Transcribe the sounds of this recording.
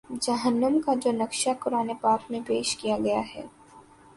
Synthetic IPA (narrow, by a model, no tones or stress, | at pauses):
d͡ʒɐɦənːəmkad͡ʒoːnɐkʃakʊɾaːnepaːkmẽpeːʃkijaɡɐjaɦɛ̰ː